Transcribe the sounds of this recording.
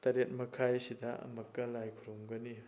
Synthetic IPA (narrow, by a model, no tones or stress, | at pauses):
tɐɾet̚mɐkʰajsidɐʔɐ̰mɐkːɐlajkʰuɾumɡɐni